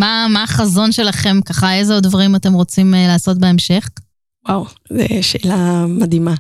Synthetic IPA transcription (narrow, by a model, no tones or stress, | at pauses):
mamaːχazo̞nʃe̞laχe̞mkaχaezeod̪vaʁimate̞mʁo̞t͡simlaːso̞t̪̚beemʃe̞χ | wawzɛ̰ʃeːlamad̪ima